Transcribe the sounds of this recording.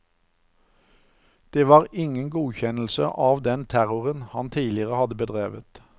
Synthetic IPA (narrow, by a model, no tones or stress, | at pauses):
d̪̥eːʋɑːʁɪŋənɡuːçɛnl̩sə̰ʔɑːʋd̪ɛnt̪ʰæʁʊʁənhɑnt̪ʰiːlɪəʁəhɑd̪əbəd̪ʁeːʋət̪